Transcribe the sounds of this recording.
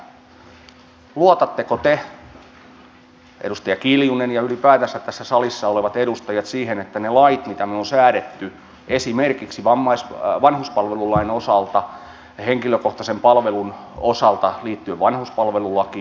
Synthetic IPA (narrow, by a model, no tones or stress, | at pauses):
luot̪ɑt̪ːekot̪e | ʔedust̪ɑjɑkiljunenjɑylipæːt̪æsːæt̪æsːæsɑlisːɑoleʋɑt̪edust̪ɑjɑt̪siːhenet̪ːænelɑit̪mit̪æmeonsæːɾet̪ːy | esimerkiksiʋɑmːɑisʋɑnhuspɑlʋelulɑinosɑlt̪ɑ | heŋkiløkoht̪ɑsempɑlʋelun | osɑlt̪ɑliːt̪ːyeʋʋɑnhuspɑlʋelulːɑki